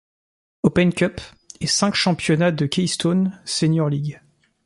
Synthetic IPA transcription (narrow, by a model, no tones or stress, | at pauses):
opɛnkʲœp | ɛsɛ̃kʃɑ̃pjɔnad̪əkʲɛjst̪onsenjɔʁliɡʲ